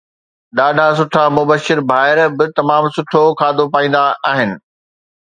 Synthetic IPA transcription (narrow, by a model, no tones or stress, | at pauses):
ɗaːɖʱasʊʈʰamʊbəʃːɪɾbʱaːɪɾbɪt̪ɐmaːmsʊʈʰokʰaːd̪ʱopaːĩːn̆d̪aaːɦɪnɪ̆